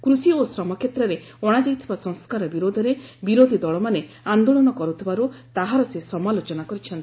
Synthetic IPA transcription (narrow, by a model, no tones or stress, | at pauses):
kɾusiosɾɔmɔkʰjet̪ɾɔɾe | ɔɽ̃ad͡ʒajt̪ʰibasɔŋskaɾɔbiɾod̪ʱɔɾebiɾod̪ʱid̪ɔɭɔmane | and̪oɭɔnɔkɔɾut̪ʰibaɾut̪aɦaɾɔsesɔmalot͡ʃɔnakɔɾit͡ʃʰɔnt̪i̥